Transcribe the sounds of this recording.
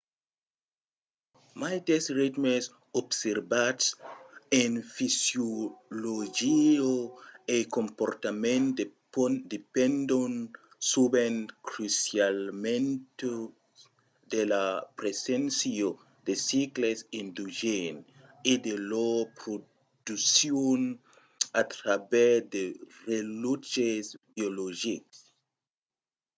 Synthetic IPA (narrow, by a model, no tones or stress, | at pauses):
majd̪esrit̪mes | obseɾbatsenfisjolod͡ʒioekompoɾt̪amẽnd | d̪epẽnd̪on | subenkɾusjalmẽnt̪o | d̪elapɾesensio | d̪̥esiklesĩnd̪uʒen | id̪elopɾo | d̪usjon | at̪ɾabɛsd̪erelut͡ʃesbioloʒiks